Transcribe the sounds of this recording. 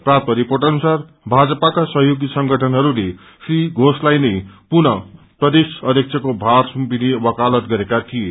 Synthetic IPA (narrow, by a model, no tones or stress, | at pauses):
prap̚t̪ʌɾiporʈʌnusar | bʱad͡zʌpakasʌɦjoɡisʌŋɡʌʈʰʌnɦʌɾule | sriɡʱoslajnʌjpunʌ | prʌd̪esʌd̪ʱjʌk̚t͡sʰʌkobʱarsumpinibʌkalʌt̪ɡʌɾekat̪ʰije